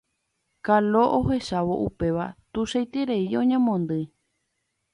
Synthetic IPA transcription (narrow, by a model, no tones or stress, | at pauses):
kalo̞ʔoɦe̞ʃaʋo̞̰ʔupe̞ʋat̪uʃejt̪iɾeiõɲẽmõnd̪ɨ